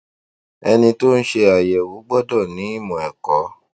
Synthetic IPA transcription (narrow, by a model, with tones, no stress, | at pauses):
ɛ˧nĩ˧to˦n̩˦ʃe˧a˨jɛ˨wu˨˦ɡ͡bɔ˦dɔ˦˨nĩ˨˦i˦˨mɔ̃˨ɛ˨kɔ˨˦